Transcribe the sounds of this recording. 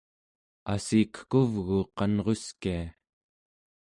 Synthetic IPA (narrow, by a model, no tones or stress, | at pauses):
a̰sikkuvɣuqɑnʁo̞skia